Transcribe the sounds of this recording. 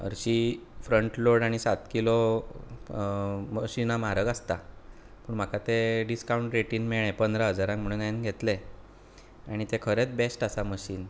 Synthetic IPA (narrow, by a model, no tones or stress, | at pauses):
ə̰ɾɕifɾəɳʈloɽaɽ̃isat̪kilo | məɕinamaɾəɡast̪a | puːɳm̤akat̪eɖiskauɳʈɾeʈiːnmeɭ̃ẽpənd̪ɾaɦəd͡zaɾãŋkm̤əɭunajinɡʱet̪le | aɽ̃it̪ekʰəɾet͡sbesʈasaməɕiːn